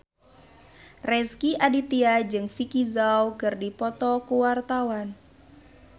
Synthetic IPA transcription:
rɛskiʔadit̪iad͡ʒɨŋfikizawkɨrdipɔt̪ɔkuwart̪awan

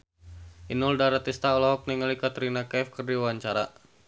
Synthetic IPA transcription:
ʔinuldaɾat̪ist̪aɔlɔɦɔk̚niŋalikat̪əɾinakɛfkɨrdiwaɲt͡ʃaɾa̰

